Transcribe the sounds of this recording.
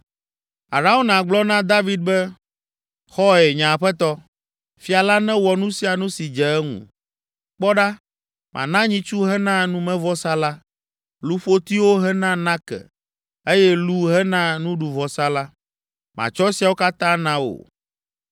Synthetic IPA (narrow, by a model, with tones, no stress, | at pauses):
a̰˨ɾa˦o˦nã˨ɡ͡blɔ˦nã˦d̪a˦vi˦d̪̚bɛ˦ | xɔ˦ɛ˨ɲã˨ɸɛ˦t̪ɔ˦ | fi˨a˨la˦nɛ̃˦wɔ˨nũ˦si˨a˨nũ˦si˨d͡ʒɛ˨ɛ˦ŋṵ̃˨ | k͡pɔ˦ɖa˦ | mʔã̰˨nã˦ɲĩ˦t͡ʃu˦ɦɛ˦nã˦nũ˦mɛ̃˦vɔ˦sa˦la˦ | lu˦ɸo˦t̪i˦wo˦ɦɛ˦nã˦nã˦kɛ̰˨ | e˦jɛ˦lu˦ɦɛ˦nã˦nũ˦ɖu˨vɔ˨sa˦la˦ | mã̰˨t͡ʃɔ˦si˨a˨wo˦ka˦t̪ã˦nã˦wo̰˨